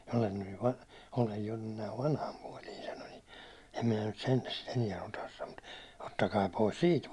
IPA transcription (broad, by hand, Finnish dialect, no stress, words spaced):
olen nyj jo ʋɑnh olej jo nyn næiʋ ʋɑnhɑm puɒli sɑno ni em minæ nyt sentæ sit eniɛ otɑs sɑno m̥u̥t otːɑkɑː pois siːt